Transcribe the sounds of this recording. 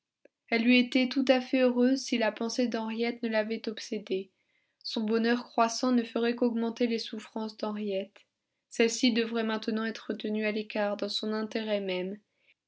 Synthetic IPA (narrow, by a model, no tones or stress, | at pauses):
ɛlːiet̪ɛt̪ut̪afɛøʁøzsilapɑ̃sed̪ɑ̃ʁjɛt̪nəlavɛt̪ɔpsed̪e | sɔ̃bɔnœʁkχwasɑ̃nəfəʁɛkɔɡmɑ̃t̪elesufχɑ̃sd̪ɑ̃ʁjɛt̪ | sɛlsid̪əvʁɛmɛ̃t̪ənɑ̃ɛt̪χət̪ənyalekaʁd̪ɑ̃sɔ̃nɛ̃t̪eʁɛmɛm